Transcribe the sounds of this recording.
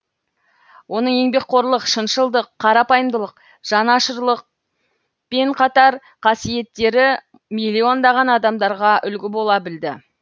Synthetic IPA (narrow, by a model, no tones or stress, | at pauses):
wʔo̞nəɴe̞ŋbe̞k̚qʰo̞ɾlˠəqʃənʃəlˠd̪əqʰːɑɾɑpɑjəmd̪əlˠəq | ʒ̥ɑnɑʃəɾlˠəq̚ | pe̞ɴqʰɑt̪ɑɾ | qʰɑsije̞t̪ːe̞ɾɪ | milʲːio̞nd̪ɑʁɑnɑd̪ɑmd̪ɑɾʁɑʔʏlɡʲɪbo̞lˠɑbɪld̪ɪ